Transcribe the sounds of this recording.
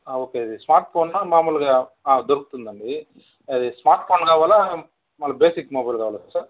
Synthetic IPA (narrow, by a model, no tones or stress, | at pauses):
oːkeɐd̪ismaːɾʈ̚pʰoːnːɐmaːmuːlɡɐ | aːd̪oɾukut̪und̪ɐɳɖi | ɐd̪ismaːɾʈ̚pʰoːnɡaːʋaːlɐ | mɐlɐbeːsikːmoːbɐjlɡaːʋɐːlɐsɐ